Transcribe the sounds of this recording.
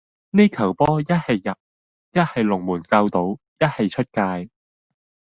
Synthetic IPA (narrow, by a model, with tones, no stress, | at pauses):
ne˥jkʰɐ˨˩wpɔː˥jɐ˥t̚hɐ˨jːɐ˨p̚ | jɐ˥t̚hɐ˨jlʊ˨˩ŋmuː˨˩nkaː˧wt̪o˨˥w | jɐ˥t̚hɐ˨jt͡ʃʰɵ˥t̚kaː˧j